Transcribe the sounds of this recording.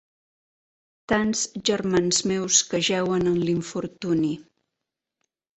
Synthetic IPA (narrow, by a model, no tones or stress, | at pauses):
t̪anz̥ʒərmanzmewskəʒɛwənənliɱfuɾt̪uni